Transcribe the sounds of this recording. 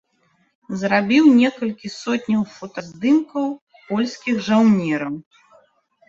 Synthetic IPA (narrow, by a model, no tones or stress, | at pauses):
zɾabʲiwnʲɛkɐlʲkʲisɔt̪ʲnʲɐwfɔt̪ɐzd̪ɨmkɐw | pɔlʲsʲkʲiɣʐawnʲɛɾɐw